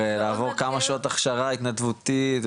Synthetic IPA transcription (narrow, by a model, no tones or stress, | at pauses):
elaːvo̞ʁkamaʃao̞t̪aχʃaʁait̪nat̪vut̪it